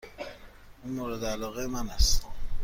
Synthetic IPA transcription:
unmoɾed̪ealɒːɣejemænæst̪

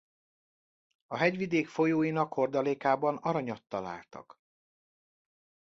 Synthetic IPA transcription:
ɒɦɛɟʋid̪eːkfo̞joːjinɒkho̞rd̪ɒleːkaːbɒnɒɾɒɲɒt̪ːɒla̰ːlt̪ɒ̰k

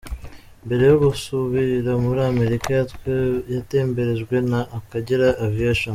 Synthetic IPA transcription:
mbe̞ɾe̞joɡusuβiɾamuɾaame̞ɾikajatwejate̞ːmbe̞ɾe̞ʒɡwe̞naʔːkaɟiɾaʔːviaʃon

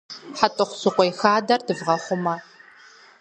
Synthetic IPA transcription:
ħatʼɨχʷʊsɨqʷʼɔjxaːdɐrdɨvʁɐχʷʊmɐ

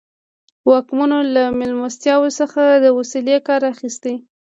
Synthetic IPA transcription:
wɑkmanolamɪlmast̪jɑwosəxad̪əwasilekɑɾaxist̪aj

